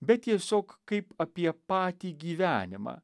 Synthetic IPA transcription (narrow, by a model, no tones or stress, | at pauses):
bʲɛt̚t̪ʲiɛsʲoːkkɐɪpɐpʲiɛpɑːt̪ʲiːɡʲiːʋʲæːnʲɪmɑ̰ː